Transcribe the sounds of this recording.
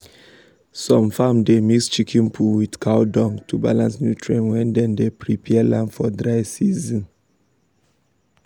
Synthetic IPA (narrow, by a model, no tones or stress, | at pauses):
sɔ̃mfamdemikst͡ʃikʰĩnpʰuwidkʰaʊdɔ̃ŋtʰuba̰lãnsnjutʰɹẽnwɛ̃ndɛ̃ndepʰɹipʰɛlãnfɔdɹaɪsizɔ̃n